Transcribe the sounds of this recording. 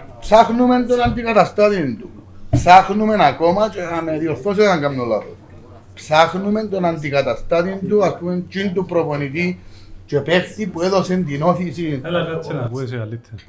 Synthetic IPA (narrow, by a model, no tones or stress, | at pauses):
psaxnument̪̬onant̪̬ikat̪ast̪aðjint̪upsaknumenakomat͡ʃeameðjoθos̬esaŋkamnola̰ðo | psaknument̪onant̪̬ikat̪ast̪aðjint̪uask̪ument͡ʃint̪upɾoponit̪̬i | t͡ʃepekt̪ipweðosend̪inoθisi | salit̪ʰe